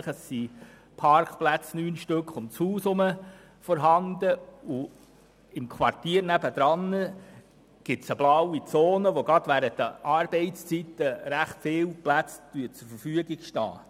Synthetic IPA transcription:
χəsːi | pʰɑɾkχplæt͡snyːnʃtøkχʊmt͡shuːsʊmə | fɔɾɦɑnd̪əu | ɪmkʰʋɑrtiːəɾnæbəd̥̪ɾɑnːə | ɡ̥ɪtsəblɑwit͡sɔːnəʋoɡɾɑd̥̪ʋæːɾət̚d̥̪ə̰ʔɑɾb̥ɛɪst͡sit̪ːəɾæχtfɪːlplæt͡st̪yət͡sʊɾfəɾfyəɡɪɡʃtɑ̰ː

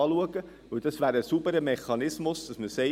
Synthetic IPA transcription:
luəɡ̥ə | ʋɵwd̥ɑsʋæːɾəsubəɾəmeχːɑnɪsmʊsd̥ɑsməsɛ

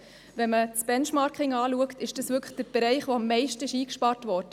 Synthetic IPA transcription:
ʋɛnmət͡sb̥ɛnʃmɑːɾkɪŋɑːluəktɪʃd̥ɑsʋʏɾkʰəχd̥əɾb̥ɛɾɛɪχʋoɑmːɛɪʃtəɪʃiːkʃpɑːɾtʋɔːɾdə

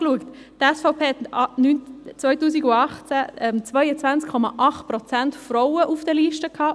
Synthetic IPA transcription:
kluəkt | tɛsfɔʊpʰeːhɛtnynt͡svaɪtuːsiɡʊɑχt͡sæɛmt͡svaɪjət͡svant͡skʰɔma̰ʔɑχtprɔt͡sɛntfrɔʊəʔufd̥ɛliʃtəkʰhɑː

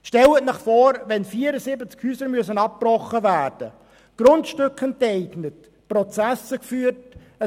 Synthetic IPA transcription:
ʃtɛlətnɪχfɔːɾʋɛnfiːəɾəsɪbət͡skhyːsəɾmyəsənɑp̚pːrɔχːəvæːrd̥ə | ɡ̥rʊntʃtʏkχəntɛɪɡnət | prɔt͡sæsəkfyːərt | ə

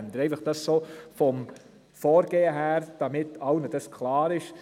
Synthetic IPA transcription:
nd̪əɾɛɪfəχd̥ɑssoːfɔm | fɔːɾɡ̥eːəɦæːɾd̥ɑmɪtʰɑʊnəd̥ɑskʰlɑːɾɪʃ

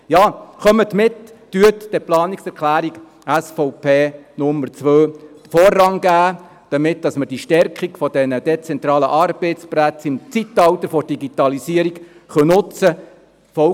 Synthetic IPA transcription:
jɑːχœmətmɪtː | yətd̥ɛplɑːniksɛɾkχlæːɾiɡ | æsfɔʊpʰeːnʊmːəɾt͡sʋøː | fɔːrːɑŋɡæː | d̥ɑmɪtd̥ɑsməɾd̥iʃtɛɾkʰχiɡfɔdɛnəd̥ɛt͡sɛnt̪ɾɑːləʔɑrb̥eɪtspɾæt͡sɪmt͡sit̪ːɑwt̪əɾfɔrd̥iɡit̪ɑlisiəɾik | χœnʊt͡sə | fɔ

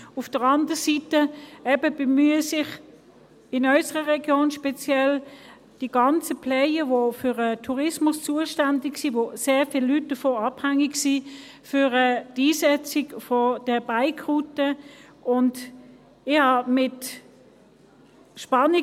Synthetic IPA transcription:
ʊfd̥əʁɑndəʁsitəɛbəb̥əmyːəsɪχ | ɪnœʏsəʁəʁɛɡjoːnʃpɛt͡sjɛl | d̥iɡɑnt͡səpʰlɛəvofyʁətʰuʁɪsmʊst͡suəʃtandɪksiːvoseːʁfilːyt̚d̥əfoːɑb̥hæŋɪɡsi | fyʁədiːsɛt͡sɪɡfɔd̥əbaɪkʰʁutəʔʊnd | ɪhɑmɪt | ʃpɑnɪ

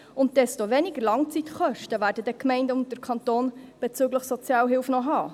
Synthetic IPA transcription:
ʊnt̚d̥ɛstoʋɛnɪɡəɾlɑŋt͡sitχœʃtəvæːɾdədɛkmɛɪndəʊnt̚d̥əɾkʰɑnt̪oːnb̥ɛt͡syːɡləχsot͡sjɑːlɦɪlfnɔɦɑː

